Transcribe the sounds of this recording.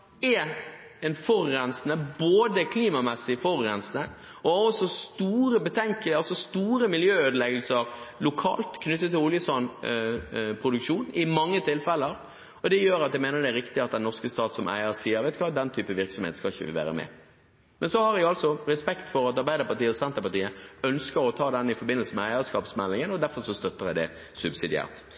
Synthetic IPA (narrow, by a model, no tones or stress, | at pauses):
ɛɛnfɔɾːɛnsnəboːd̪əkʰliːmɑmɛsːɪfɔɾːɛnsnə | ɔɑɾɔsɔst̪uːɾəbət̪ʰɛŋkəlɑlsɔst̪uːɾəmɪljøːøːd̪əlɛɡəlsəɾlʊkʰɑ̰ːlt̪kʰnʉt̪ːət̪ːɪlʊljəsɑn | pʰɾʊd̪ʉkʂuːnɪmɑŋːət̪ʰɪlfɛlːəɾ | ɔd̪ɛjøːɾɑt̪d̪jæɪmæɪnəɾd̪ɛæɾɪkt̪ɪɑt̪̚d̪ɛnːɔʁskəst̪ɑːt̪sɔmʔæ̰ɪəsiːəɾʋɛɪt̪kʰɑːd̪ɛnt̪ʰyːpəʋɪɾksɔmhḛt̪skɑɪçːəʋɪ̰ʋæ̰ːɾə̰mɛ̰ | mɛnsɔhɑɾjɛɡɑlsɔɾɛspɛkt̪fɔɾɑt̪ɑɾbæɪəpɑt̪iːəɔsɛnt̪əpɑt̪iːəœnskəɾɔt̪ʰɑːd̪ɛnːɪfɔɾbɪnːəlsəmɛæɪəskɑːpsmɛlːɪŋənɔd̪æɾfɔɾʂɔst̪œt̪ːəɾdæɪd̪ɛ̰ | sʉbsɪd̪ɪæ̰ːʁt̪